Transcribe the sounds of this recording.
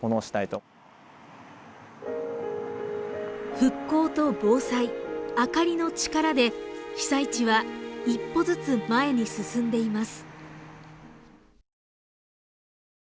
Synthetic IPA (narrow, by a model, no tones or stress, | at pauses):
onoːɕi̥t̪ait̪o̞ | ɸɯ̟kːo̞ːt̪o̞bo̞ːsaiakaɾʲino̞t͡ɕi̥kaɾad̪e̞çʲi̥sait͡ɕiβaipːo̞zɨt͡sɨmae̞ɲ̟isɨsɨ̃nd̪e̞imasɨ̥